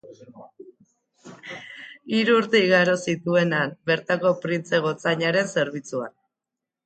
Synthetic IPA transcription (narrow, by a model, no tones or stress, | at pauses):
iɾuːɾt̪eiɣaɾo̞sit̪ue̞nanbe̞ɾt̪ako̞pɾint͡se̞ɣ̞o̞t͡saɲaɾe̞nse̞ɾβit͡suan